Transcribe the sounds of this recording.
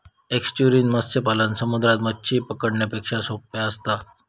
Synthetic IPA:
eksʈuɾiːnməst͡ɕepalənsəmud̪ɾat̪mətːɕʰiːpəkəɽɳjepekʂasoppjaəst̪a

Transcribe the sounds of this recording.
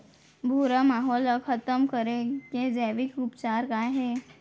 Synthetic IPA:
bʱuɾəmaɦɔləkʰət̪əmkəɾeked͡zɛʋikɾupt͡ɕaɾkaɦe

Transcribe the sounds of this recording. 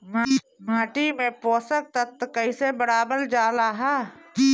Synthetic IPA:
ma | maːʈimẽpoːsək̚t̪ət̪kəisebəɾaːbəɾd͡ʒaːlaɦaːki

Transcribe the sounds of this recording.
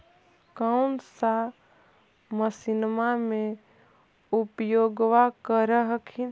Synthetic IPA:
kəʊnsa | məsinmamẽ | upjoɡʋakəɾəɦəkʰin

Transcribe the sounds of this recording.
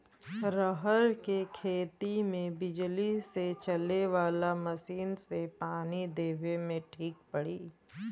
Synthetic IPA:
ɾəɦəɾkekʰeːt̪imẽbɪd͡ʒliset͡ʃəleʋaːlamɐsiːnsepaːnid̪eːʋemẽʈʰiːk̚pəɽiː

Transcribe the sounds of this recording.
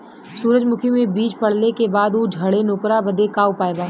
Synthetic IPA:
suːɾəd͡ʒmʊkʰimẽbiːt͡ʃpɐɽ̤nekebaːd̪uːd͡ʒʱɐɽenoːkɾabəd̪ekaːupaːebaː

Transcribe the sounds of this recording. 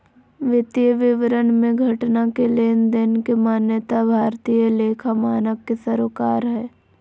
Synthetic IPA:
ʋɪt̪ijəʋɪʋɾənmẽɡʱɐʈnakeleːnd̪ɪnkemaːnjət̪abʱaːɾt̪iːjəleːkʰamaːnəkːesəɾoːkaːɾɦɛː

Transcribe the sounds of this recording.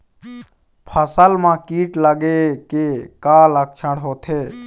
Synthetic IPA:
pʰəsəlmãːkiːʈləɡekeːkãːlək̚ʰt͡ʃʰəɽɦoːt̪ʰeː

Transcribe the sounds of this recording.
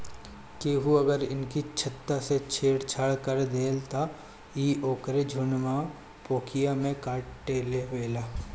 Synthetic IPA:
keɦuɐɡəɾɪ̰nkit͡ʃʰɐt̪ːaset͡ʃʰeːɽt͡ʃʰəɭkəɾd̪eːlt̪a | iːʔoːkɾed͡ʒʱʊnma | poːkʰijamẽkaːʈːeːleʋeːlaː

